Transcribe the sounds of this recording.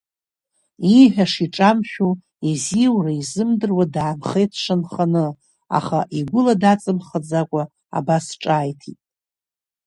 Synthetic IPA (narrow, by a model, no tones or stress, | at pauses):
iħᶣaʂiʈ͡ʂʼamʃʲᶣu | iziwraizɨmdɨrwadaːmχe̞jtʰʂanχanɨ | a̰χaʔiɡʷʊladat͡sʼɨmχad͡zakʷʼa | a̰basʈ͡ʂʼaːjtʰitʼ